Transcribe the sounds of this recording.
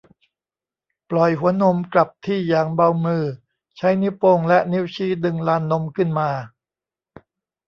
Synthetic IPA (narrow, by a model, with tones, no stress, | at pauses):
plɔ˨˩jɦu˩˦ɐno˧mkla˨˩p̚t̪ʰiː˥˩jaː˨˩ŋba˧wmɯː˧˩ | t͡ɕʰa˦˥jni˦˥wpoː˧ŋlɛ˦˥ʔni˦˥wt͡ɕʰiː˦˥˩dɯ˧ŋlaː˧nːo˧mkʰɯ˥˩nmaː˧